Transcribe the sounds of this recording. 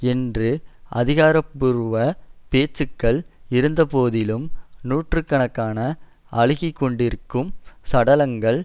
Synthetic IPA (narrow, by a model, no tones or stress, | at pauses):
ɛndrɯʔɐ̰ðɪɣaːɾɐpːɯɾɯʋɐpeːt͡ʃːɯkːɐɭɪɾɯnd̪ɐpoːðɪlɯmnuːʈrɯkːɐɳɐkːaːnɐ | ʔɐɭɪɣɪkːɔɳɖɪɾɯkːɯmsɐɽɐlɐŋɡɐɭ